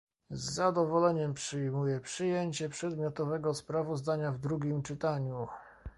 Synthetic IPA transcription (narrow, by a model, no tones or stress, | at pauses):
zːad̪ɔvɔlɛɲɛmpʂɘjmujɛpʂɘjeɲt͡ɕɛpʂɛd̪mʲjɔt̪ɔvɛɡɔspɾavɔzd̪aɲavd̪ɾuɡʲimt͡ʂɘt̪aɲu